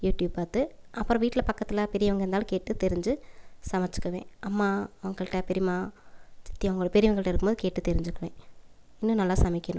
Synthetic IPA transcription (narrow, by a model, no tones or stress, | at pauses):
juːʈjuːb̚paːɾt̪ɯʔɐpːɯɾɐ̃ʋiːʈːɪlɐpɐkːɐt̪ːɪlɐpɛɾɪjɐʋɐŋɡɐɾnd̪aːlɐkeːʈːɯt̪ɛɾɪɲd͡ʒɯsɐmɐt͡ʃːɯ̥kːɐʋḛ̃ːʔɐmːaːɐʋɐŋɡɐɭʈːɐpɛɾɪmaːt͡ʃɪ̥t̪ːɪjɐʋɐŋɡɐɭpɛɾɪmɐŋɡɐɭʈːɐɪɾɯkːɯmboːðɯkeːʈːɯt̪ɛɾɪɲd͡ʒɯkːɐʋḛ̃ː | ɪnːũnɐlːaːsɐmɪkːɐnʊ̰̃